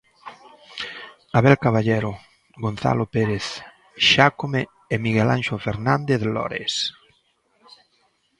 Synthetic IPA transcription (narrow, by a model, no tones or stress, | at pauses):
aβɛlkaβaʎeɾo | ɡon̟θa̰lopeɾeθ | ʃakomeː | miɣelã̰nʃofeɾnand̪eθlɔ̰ɾḛs